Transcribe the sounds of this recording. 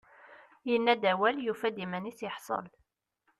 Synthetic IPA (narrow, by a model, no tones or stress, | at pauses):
jənːæd̪æwæljufæd̪imæniθjəħsˤə̰l